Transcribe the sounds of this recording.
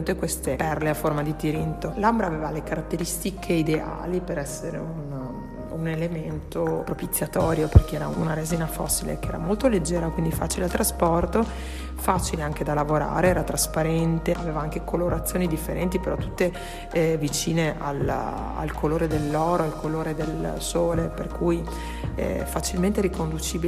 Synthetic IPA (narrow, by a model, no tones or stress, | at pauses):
ut̪ːekwest̪epɛrleaformad̪it̪iɾint̪olambɾaːveːvalekaɾat̪ːeɾist̪ikʰeid̪ea̰ːlipeɾɛsːeɾḛun | unelement̪opɾopit̪sːjat̪ɔːɾjoperkeɛːɾa̰unaɾeziːnafɔ̰sːilḛkeɛːɾa̰molt̪oled͡ʒːɛːɾakwind̪ifaːt͡ʃilealt̪ɾaspɔrt̪o | faːt͡ʃileaŋk̟ed̪alavoɾa̰ːɾeɛːɾat̪ɾaspaɾɛnt̪eaveːvaaŋkekoloɾat̪sːjoːnid̪ifːeɾɛnt̪ipeɾɔt̪ːut̪ːe | vit͡ʃiːneʔa̰l | a̰lkʰoloːɾed̪elːɔːɾoalkoloːɾed̪elsoːleperkuj | ɛ̰fat͡ʃilment̪eɾikond̪ut͡ʃiːbi